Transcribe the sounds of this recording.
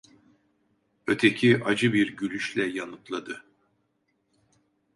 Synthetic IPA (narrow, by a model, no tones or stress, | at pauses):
ø̞t̪ʰecʰiʔad͡ʒɯbiɾɟylʲyʃlʲɛjanɯt̪lˠad̪ɯ